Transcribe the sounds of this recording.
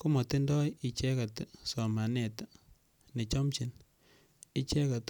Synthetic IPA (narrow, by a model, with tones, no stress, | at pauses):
ko˦mɔ˨t̪i˦ndɔ˦ji˨t͡ʃɛ˦ka˨tsɔ˨ma˨nɛ˨t | ne˨t͡ʃɔ˦mt͡ʃi˨n | i˦t͡ʃɛ˦ka˨t